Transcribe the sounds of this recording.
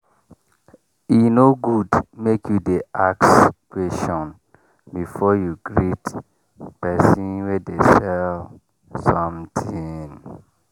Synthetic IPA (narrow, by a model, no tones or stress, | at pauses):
inoɡudmekʰjudeakskweʃɔ̃n | bifɔjuɡɹit | pɛsĩnwɛdesɛl | sɔ̃mtʰin